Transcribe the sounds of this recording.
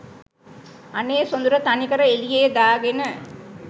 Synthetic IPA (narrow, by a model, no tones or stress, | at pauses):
aneːsond̪uɾət̪anikəɾəelijeːd̪aːɡenə